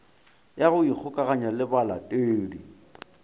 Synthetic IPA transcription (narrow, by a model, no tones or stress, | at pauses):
jaɣʊik͡xʰʊkʼaɣaɲalɪbala̰tʼeːdḭ